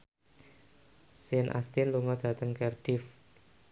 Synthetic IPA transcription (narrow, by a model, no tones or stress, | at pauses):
sɪnʔa̰st̪ɪnluŋɔd̪̥a̤t̪əŋkɛrd̥if